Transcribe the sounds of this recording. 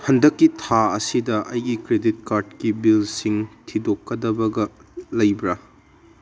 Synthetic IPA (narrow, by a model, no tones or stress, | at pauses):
hɐndɐkːitʰaɐsidɐʔɐjɡikɾedit̚kaɾdkibilsiŋtʰidokːɐdɐbɐɡɐlɐjbɾɐ